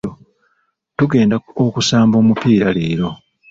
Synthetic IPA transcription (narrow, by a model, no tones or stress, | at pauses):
o | tuɡe̞ːndaokusaːmbo̞ːmupiːɾale̞ːɾo̞